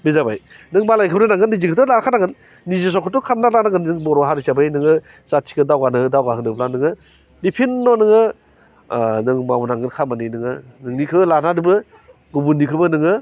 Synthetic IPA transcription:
mizabaj | nɯŋmalajkʰɯbnɯnaŋɡɯnːizikʰɯtʰɯlaɾkʰanaɡɯnː | izis̬ɔkʰɯtɔkʰamnalanaɡɯnɯŋbɔɾɔɦaɾisabɯjnɯŋɯ | satʰi̥kɯdawɡanɯɯdawɡaɦɯnɯplanɯŋɯ | bipʰinːɔnɯŋɯ | nɯŋmawunaŋɡɯnkʰamaninɯŋɯnɯŋnikʰɯlanadɯbɯ | ɡubunːikʰɯbɯnɯŋɯ

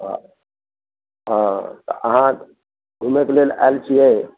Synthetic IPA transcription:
ɦ | ɦãt̪ɔ̰ʔəɦã | ɡʱumekelela̰lt͡ʃʰiɛ

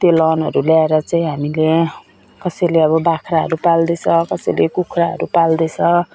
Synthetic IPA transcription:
t̪jolʌnɦʌɾuljaeɾʌt͡saĩɦamile | kʌsʌjleʌβʌbakʰɾaɦʌɾupald̪et͡sʰʌkʌsʌjlekukʰraɦʌ̰ɾupald̪ʌt͡sʰʌ

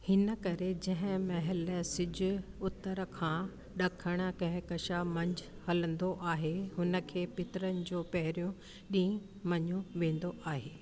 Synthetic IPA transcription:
hɪnə̆kɐɾed͡ʑɐ̃ɦɪ̃mɐɦɪlsɪd͡ʑʊ̆ʊt̪ːəɾkʰãː | ɗɐkʰəɽ̃ə̆kɐ̃ɦɪ̃kɐʃamɐ̃ɲd͡ʑʊhɐlə̃nd̪oʔaːɦeɦʊnə̆kʰeːpɪt̪ɪɾənɪ̆d͡ʑoːpɐɦɪɾjũ | ɗĩː | mɐɲũʋẽːn̆d̪oʔaːɦeː

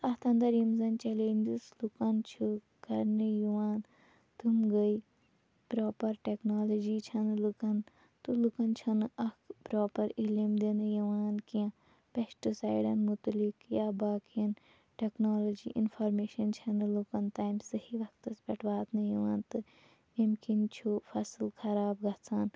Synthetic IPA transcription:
ɐht̪ʰɐ̃nd̪ɐɾjimzɐnt͡ʃɐleːnʲd͡ʒislukɐnt͡ʃʰu | kɐɾnɨjuʋaːn | t̪umɡəi | pɾoːpɐɾʈeknoːlɐd͡ʒiːt͡ʃʰɐnɨlukɐn | t̪ɨlukɐnt͡ʃʰɐnɨʔɐkpɾoːpɐɾilimd̪inɨjiʋaːnkijɐ̃ | pesʈisaːjɖɐnmut̪likjaːbaːkijɐn | ʈeknoːlɐd͡ʒḭʔḭnfʰoːɾmeːʃɐnt͡ʃʰɐnɨlukɐnt̪aːjmsɐhiʋɐkt̪ɐspʲɐʈʰʋaːt̪nɨjiʋãːnt̪ɨ | imkint͡ʃʰufʰɐslkʰɐɾaːbɡɐt͡sʰaːn

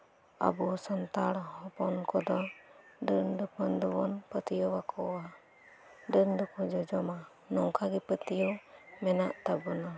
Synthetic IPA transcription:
a̰bɔsant̪aɽhɔpɔnkɔd̪ɔ | ɖənd̪ɔpʰɔnd̪ubɔnpət̪ijɔwakʰɔwa | ɖənd̪ɔkʰɔd͡ʒɔd͡ʒɔma | nɔŋkaɡɛpət̪ijɔmɛnaʔt̪abɔna

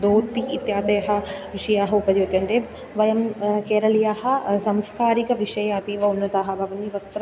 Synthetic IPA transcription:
d̪oːt̪iːt̪jaːt̪ɐjɐɦɐ̆ʋiʂɐjaːɦɐupɐd̪joːt̪jɐnd̪eː | ʋɐjɐmkeːɾɐlijaːɦɐ̆sɐmskaːɾikɐʋiʂɐjaːpiːʋɐunːɐt̪aːɦɐbʱɐʋɐniʋɐst̪ɾɐ

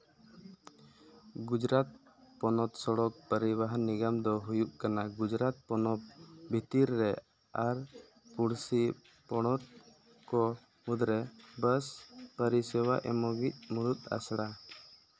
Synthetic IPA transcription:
ɡud͡ʒɾat̪̚ | pɔnɔt̪sɔɽɔk̚pəɾibaɦniɡamd̪ɔɦujuʔkanaɡud͡ʒɾat̪̚pɔnɔp̚bʱit̪iɾːɛ | aɾ | puɽsi | pɔɽ̃ɔt̪̚ | kɔ | mud̪ɾɛbəspəɾisɛwaʔɛmɔɡic̪̚muɽut̪̚a̰sɽa

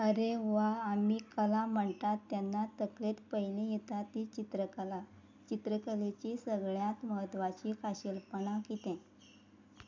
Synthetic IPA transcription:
əɾeʋaːmiːkəlam̤əɳt̪at̪ːjanːat̪əklet̪pəɦjlĩjet̪at̪it͡ɕit̪ɾəkəla | t͡ɕit̪ɾəkəlet͡ɕisəɡɭjat̪məɦət̪ʋat͡ɕikaɕelpəɳ̃akit̪ɛ̃

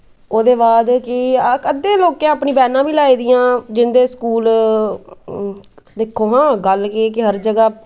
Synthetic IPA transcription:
oːd̪eːbaːd̪kɪkəd̪ẽːloːkjãːəpniːbɛːnãːbiːlaːiːd̪ɪjãːd͡ʒɪnd̪eːskuːl | d̪eːkʰːoːɦãːɡəlkekɪɦəɾd͡ʒəɡaː

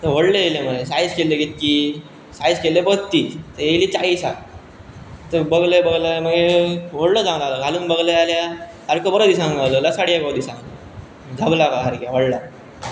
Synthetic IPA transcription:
t̪əʋ̤oɽleeleməesajskeleɡet̪̚ki | sajskelebət̪iːt̪əjejlit͡saisa | t̪əbəɡlebəɡləməɡeʋ̤oɽləd͡zãŋnaləɡʱaluːnbəɡlealja | aɾkəbəɾəd̪isãŋɡalələsaɽijakəd̪isãŋɡl | d͡zʱəblabaɦaɾkjaʋəɽla

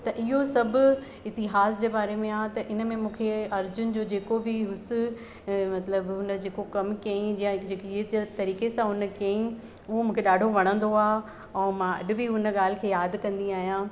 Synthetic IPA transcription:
t̪ɐʔɪɦosɐbʱʊ | ɪt̪ɪɦaːsd͡ʑeːbaːɾemẽaːt̪ɐʔɪnəmẽmũːkʰeɐɾd͡ʑʊnɪ̆d͡ʑoːd͡ʑeːkobɪɦʊsɪ | mɐt̪ləbɦʊnəd͡ʑeːkokɐmkɐĩd͡ʑãd͡ʑeːkːd͡ʑt̪ɐɾiːkesãɦʊnəkɐĩ | ʊɦomũːkʰeɗaːɖʱoʋɐɽ̃ə̃nd̪oaː | ɛ̃ːmãɐ̰ɗɪ̆bɪʊnəɠaːl̤ɪkʰeːjaːd̪kɐ̃nd̪iaːɦijãː

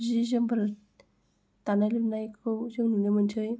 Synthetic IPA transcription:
zizɯŋbɾ | tanalipnajkʰɯwzɯŋnulɯmɯntʰɯj

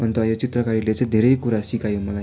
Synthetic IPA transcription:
ʌnt̪ʌjot͡sit̪ɾʌkaɾilet͡sãjd̪ʱeɾejkuɾasikajomʌla

